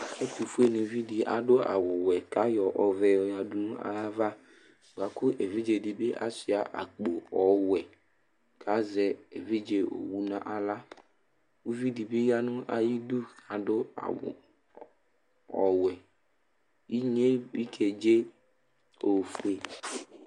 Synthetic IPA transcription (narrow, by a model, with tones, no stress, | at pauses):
ɛ˦ku˨fu˦e˦nʊ̃˨˦vi˦di˨ʔa̰˨dʊ˦a̰˨wʊ˨wɛ˨ka˦jɔ˨ʔɔ˨vɛ˨ɔ˨ja˨dʊ˦nʊ̃˦a̰˨ja˦va˦˨ | ɡ͡ba˨kʊ˦ʔe˨vi˦d͡ʒe˨di˨be˦ʔa̰˨sɪ˨a˨ʔa̰˨k͡po˨ɔ˨˦wɛ˨ | kʰa˨˦zɛ˨e˨vi˦d͡ʒe˨o̰˨wu˦nã̰˨ʔa˨la˦ | u˦vi˦di˨bɪ˦ja˦nʊ̃˦ʔa˨ji˦du˦ka˨dʊ˦a̰˨ | ɔ˨wɛ˨ | i˦ɲe˦bi˦kʰe˨d͡ʒe˦ | o˨fu˦˨˦e˨